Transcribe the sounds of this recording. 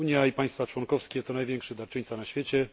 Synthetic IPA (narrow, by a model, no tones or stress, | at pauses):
uɲjaipaj̃st̪fat͡ʂwɔŋkɔfskʲɛt̪ɔnajvʲjɛŋkʂɘd̪aɾt͡ʂɘɲt̪sanaɕfʲjet͡ɕɛ